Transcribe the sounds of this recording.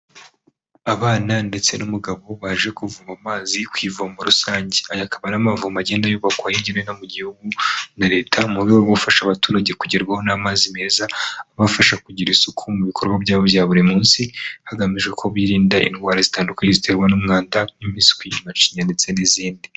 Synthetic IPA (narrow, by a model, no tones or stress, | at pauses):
aβaːnande̞t͡se̞numuɡaβo̞βaʒe̞kuvuβamaːzikwiːvumuɾusaːɲɟeajakaβanamavumaɟe̞ːndajoβakwajiɲɟenenomuɟihuɡunaɾe̞ːtʰamuɾɡewowofaʃaβatuːɾaɟe̞kuɟiɾɡwaho̞namaːzime̞ːzaβafaʃakuɟiɾisukʰumuβikʰo̞ɾɡwabjaːβoβjaːβuɾimuːnsihaɡamiʒɡe̞kʰo̞βwiːɾiːndaʔḭnɡwaːɾazitaːndukweizitʰe̞ɾɡwanumŋaːndaimiːnsi̥kwiumat͡ʃiɲande̞t͡se̞niziːndi